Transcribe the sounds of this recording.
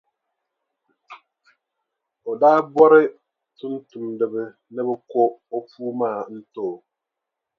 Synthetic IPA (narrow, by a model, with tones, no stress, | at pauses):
ɔ˨daː˦bɔ˦ɾɪ˦ | tu˦n̩˦tu˨mdɪ˨bɪ˦ | nɛ˦bɪ˦kɔ˦o˦puː˦maː˦˨n̩˦to˦˨